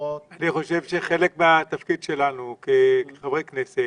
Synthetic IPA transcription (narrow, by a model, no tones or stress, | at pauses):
aniχo̞ʃe̞vʃeχelekmeat̪afkid̪ʃe̞lanukekeχavʁeknese